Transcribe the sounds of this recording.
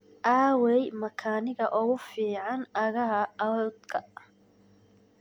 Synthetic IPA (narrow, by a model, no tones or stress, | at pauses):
ʔaːwɛjmɐkʰaːnɪɣɐʔʊɣʊfiːʕɑnɐɣɐɦɐɐd̪kʰɐ